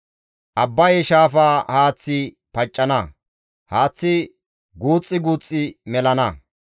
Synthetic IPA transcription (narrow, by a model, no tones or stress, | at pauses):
ʔɐbːɐjɛʃaːfaːhaːt͡sːɪ | pɐt͡ʃʼːɐnɐ | haːt͡sːɪ | ɡuːt͡sʼːɪɡuːt͡sʼːɪmɛlɐnɐ